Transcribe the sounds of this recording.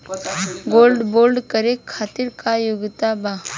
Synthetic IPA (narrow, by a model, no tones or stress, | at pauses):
ɡoːlɖboːlɖkəɾekʰːaːt̪iɾkajʊɡt̪aba